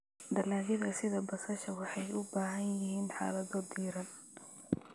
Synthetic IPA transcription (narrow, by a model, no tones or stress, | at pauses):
d̪ɐlaːɣɪðɐsɪðɐbɐsɐʃɐwɑħɑjʊbaːɦɐnjɪɦiːnħa̰ːlɐðɔd̪iːɾɐn